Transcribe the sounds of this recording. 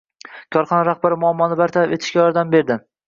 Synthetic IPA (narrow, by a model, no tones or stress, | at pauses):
kʰɒɾχɒnaɾaχbaɾɪmʊamːɒnɪbaɾt̪ʰaɾabe̞t̪ʰɪʃkʲajɒɾd̪ambe̞ɾd̪ɪ